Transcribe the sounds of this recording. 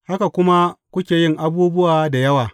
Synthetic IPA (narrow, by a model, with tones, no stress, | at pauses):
ha˦ka˨kʷʊ˦ma˦kʷʊ˦kʲeː˨jɪ˦ŋʔa˦buː˦bʊ˦waː˨da˨jɐ˦waː˨